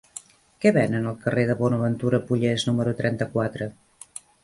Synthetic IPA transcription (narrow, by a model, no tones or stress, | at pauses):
kɛβɛnənəlˠkəreðəβɔnəβənt̪uɾəpuʎeznuməɾut̪ɾɛnt̪əkwat̪ɾə